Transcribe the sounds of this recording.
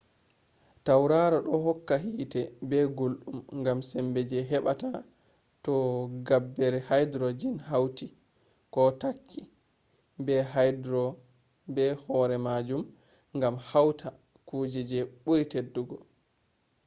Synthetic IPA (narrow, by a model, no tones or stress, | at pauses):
tawɾaɾɔɗɔɦɔkːaɦiːtɛbɛɡolɗumŋɡamsɛmbɛd͡ʒɛɦɛɓata | tɔɡabːɛɾɛhajdɾɔd͡ʒinhawti | kɔtakʰːi | bɛɦajdɾɔ | bɛhɔɾɛmad͡ʒum | ŋɡamhawtʰa | kuːd͡ʒɛd͡ʒɛɓuɾitedːuɡɔ